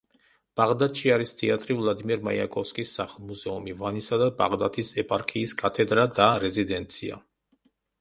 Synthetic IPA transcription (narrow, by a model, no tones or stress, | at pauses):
b̥aʁd̪at̪ʃiaɾist̪ʰiat̪ʼɾivlˠad̪imiɾma̰ja̰kʼɔfskʼisːaχlˠmuzɛumivanisad̪aba̰ʁd̪at̪ʰisɛpʼaɾkʰiːskʼat̪ʰɛd̪ɾad̪aɾɛzid̪ɛnt̪sʰia̰